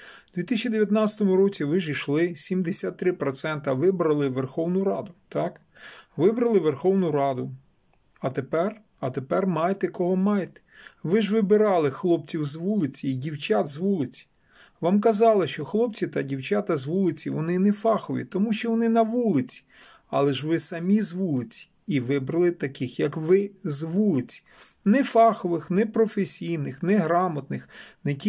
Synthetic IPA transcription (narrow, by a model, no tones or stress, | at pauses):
d̪ʲʋʲit̪ɪsʲt͡ʃʲid̪eʋʲjɐt̪nɑt͡sʲɐ̥t̪ɔmʊɾɔt͡sʲiʋɪʒiʃlˠɪsʲimd̪esʲat̪ːɾɪpɾɔt̪sɛnt̪ɐʋɪbɾɐlˠɪʋerxɔwnʊɾɑd̪ʊt̪ɑk | ʋɪbɾɐlˠɪʋerxɔwnʊɾɑd̪ʊ | ɐt̪epɛr | ɐt̪epɛrmɑjet̪ɛkɔɦɔmɑjet̪ɛ̥ʋɪʒʋɪbɪɾɑlˠɪxlˠɔp̚t͡sʲiwzʋulˠɪt͡sʲiidʲiwt͡ʃad̪zʋulˠɪt͡sʲi̥ | ʋɑmkɐzɑlˠɪʃt͡ʃɔxlˠɔp̚t͡sʲit̪ɐdʲiwt͡ʃat̪ɐzʋulˠɪt͡sʲiʋɔnɪnɛfɑxɔʋʲḭt̪ɔmuʃt͡ʃɔʋɔnɪnɐʋulˠɪt͡sʲi̥ | ɑ̰lˠɛʒʋɪsɐmʲizʋulˠɪt͡sʲi̥ | iʋɪbɾɐlˠɪt̪ɐkɪxjɐkʋɪzʋulˠɪt͡sʲi̥ | nɛfɑxɔʋɪxnɛpɾɔfesʲijnɪxnɛɦɾɑmɔt̪nɪxnɛkʲi